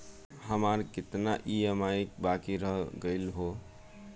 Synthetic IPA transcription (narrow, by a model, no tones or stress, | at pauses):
həmaɾkɪt̪naʔiəmaik̚bakiɾəɦɡəɪlɦo